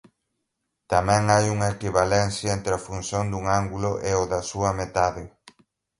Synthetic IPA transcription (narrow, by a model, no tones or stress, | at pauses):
t̪amɛ̃ŋajuŋɐekiβalenθjɐent̪ɾɪɐfunsjond̪uŋaŋɡulʊʔeoðɐsuɐmet̪aðɪ